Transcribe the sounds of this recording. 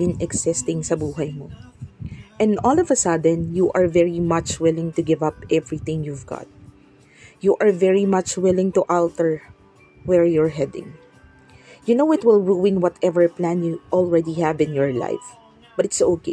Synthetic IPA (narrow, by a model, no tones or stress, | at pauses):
bɪ̃nɛksɪst̪ɪ̃ŋsɐbuːɦɐjmo | ʔɛ̃nd̪ɔlɔvɐsɐd̪ɛ̃njuʔɐɹvɛɹimɐt͡ʃwɪlɪ̃ŋt̪ʊɡɪvʌpʔɛvɹiθɪ̃ŋjuvɡa̰t̪̚ | juʔɐɹvɛɹimɐt͡ʃwɪlɪ̃ŋt̪ʊʔalt̪ɛɹ | wɛɹjɔɹɦɛd̪ɪ̰̃ŋ | jʊnowɪt̪wɪlˠɹuwɪ̃nwɔt̪ʰɛvɛɹplæ̃njuʔɔlˠɹɛd̪ihævɪ̃njɔɹla̰jf | b̥ɐt̪ɪtsoke